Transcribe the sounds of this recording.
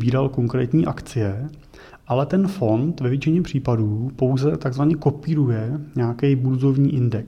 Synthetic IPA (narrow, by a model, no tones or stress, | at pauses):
biːɾalko̞ŋkɾɛːt̪ɲiːʔakt͡sɪjɛ | ʔalɛt̪ɛnfo̞nt̪vɛvjɛt͡ʃɪɲɛpr̝̥iːpaduːpo̞wzɛt̪aɡzvaɲɛko̞piːɾujɛɲɛakɛjbuɾzo̞vɲiːʔɪndɛks